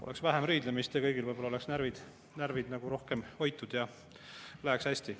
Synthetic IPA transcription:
o̰eksvæɦemɾiːd̪̥lemist̪jɑkɤjɡilvɤjb̥olɑoleksnæɾvid̪̥ | nærvid̪̥nɑɡ̥uɾo̞hke̞mo̞jt̪ːˑud̪̥jɑ | læekshæsʲt̪i

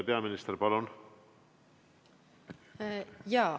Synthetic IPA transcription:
peɑminist̪erpɑlun | jɑː

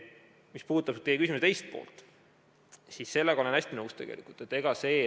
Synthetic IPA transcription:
mispuːd̪ut̪ːɑb̥t̪ejekysimset̪e̞jst̪̚po̰ːlt̪ˑ | sisse̞lːeɡ̥ɑolenæsʲt̪inɤust̪e̞ɡ̥ḛlḭkːˑult̪et̪ːˑe̞ɡ̥ɑse̞ː

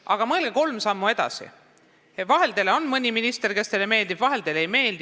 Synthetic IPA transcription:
ʔɑɡ̥ɑmɤːlɡ̥eko̞lmsɑmːue̞d̪̥ɑ̰sḭ | vɑɦe̞ld̪̥e̞leo̞nmɤnʲiminist̪e̞rke̞st̪e̞leme̞ːld̪̥i̥vɑɦe̞ld̪̥e̞lejme̞ːld̪

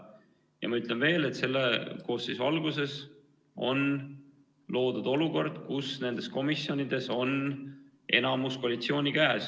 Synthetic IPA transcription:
jɑ̰mɑyt̪ˑle̞nve̞ːle̞t̪se̞lːeko̞ːssisvɑlɡ̥use̞s | o̞̰n | lo̞ːd̪ud̪̥o̞luko̞rd̪̥kusne̞nd̪̥e̞sko̞misːjo̞nid̪̥e̞so̞n | e̞nɑmuskoɑlit̪sio̞ːnʲikæːs

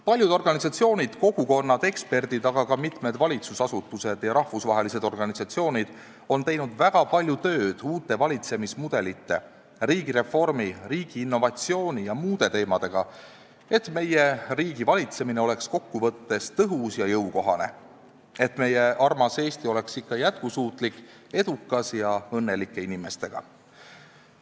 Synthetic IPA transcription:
pɑlʲjud̪o̞rɡ̥ɑnisɑt̪sio̞ːnʲid̪̥ko̞ɡ̥uko̞nːɑd̪e̞kspe̞rd̪̥id̪̥ɑɡ̥ɑkɑmit̪ˑme̞d̪vɑlʲit̪susɑsut̪ːˑuse̞d̪̥jɑɾɑhvusvɑɦe̞lise̞d̪o̞rɡ̥ɑnisɑt̪sio̞ːnʲid̪̥ | o̞nt̪e̞jnud̪̥væɡ̥ɑpɑlʲjut̪ø̞ːd̪̥uːt̪ːˑe̞vɑlʲit̪se̞mismud̪̥e̞lit̪ːe̞̰ | riːɡ̥iɾe̞fo̞rmiriːɡ̥iːnːo̞vɑt̪sio̞ːnʲijɑmuːd̪̥e̞t̪e̞ːmɑd̪̥e̞ɡ̥ɑ | et̪ːme̞je̞riːɡ̥ivɑlʲit̪se̞mineo̞le̞ksko̞kːuvɤ̞t̪ːe̞st̪ɤɦusjɑjɤwko̞ɦɑ̰ne̞̰ | e̞t̪ːˑme̞je̞ʔɑrmɑse̞ːst̪io̞le̞ksikːɑjæt̪̚kusuːt̪ˑlikː | e̞d̪̥ukːˑɑsjɑɤnːe̞likːˑe̞inime̞st̪e̞ɡ̥ɑ̰

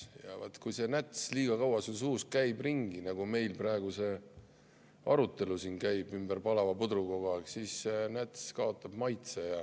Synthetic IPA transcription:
jɑ̰vɑ̰t̪ːkujse̞næt̪sliːɡ̥ɑkɑwɑsuns̬uːst̪̚kæjbriŋɡ̥inɑɡ̥ume̞jlprɑe̞ɡ̥use̞ | ʔɑ̰ɾut̪ˑːe̞lusinkæjb̥ymb̥ərpɑlɑvɑpud̪ɾuko̞ɡ̥oksiːsːenæt̪skɑo̞t̪ːˑɑb̥mɑjt̪sejɑ

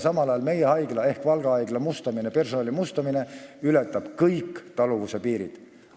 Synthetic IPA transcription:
sɑmɑlɑjɑlme̞jehɑjɡ̥lɑe̞hkvɑlɡ̥ɑɑjɡ̥lɑmust̪ɑminepe̞rso̞nɑlimust̪ɑmine̞ylɛt̪ːˑɑb̥kɤjkːt̪ɑluvusepiːɾḭd̪̥

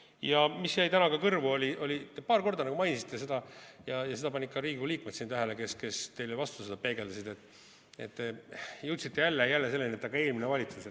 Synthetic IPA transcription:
jɑmisjæjt̪ænɑkɑkɤrvuo̞lʲiʔo̞lʲit̪epɑːrko̞rd̪ɑnɑɡumɑjnʲisi̥t̪ˑːe̞se̞d̪̥ɑjɑjɑse̞d̪ɑpɑnʲikːˑɑɾiːɡuliːkmesint̪æɦeleke̞ske̞st̪e̞jlevɑst̪used̪̥ɑpe̞ːɡ̥e̞d̪̥ɑsid̪e̞t̪ːˑ | et̪ːejɤwt̪sit̪ːejælːejælːese̞lːeniet̪ːɑɡɑeːlminevɑlʲit̪suse

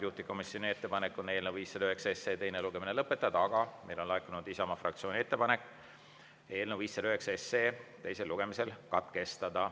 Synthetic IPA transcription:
juht̪iko̞misjo̞nie̞t̪ːe̞pɑnekːˑone̞ːlneviːsːed̪yhe̞ksɑeseːt̪e̞jne̞luɡ̥e̞minelɤpːe̞t̪ːˑɑd̪ɑɑɡ̥ɑme̞jlo̞nlɑekːˑunud̪isɑmɑfrɑ̰k̚t̪sio̞ːnʲie̞t̪ːe̞pɑne̞kː | e̞ːlneviːsːed̪ɑyɦe̞ksɑeseːt̪e̞jse̞lːuɡ̥e̞mise̞lkɑt̪ke̞st̪ɑd̪̥ɑ

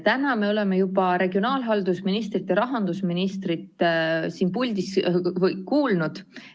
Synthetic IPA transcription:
t̪ænɑme̞o̞le̞me̞jubɑɾe̞ɡ̥io̞nɑːlɦɑld̪usminist̪rit̪ːjɑɾɑɦɑnd̪̥usminist̪rit̪ːˑsiːnpulʲd̪̥isvɤjkuːlnud̪̥

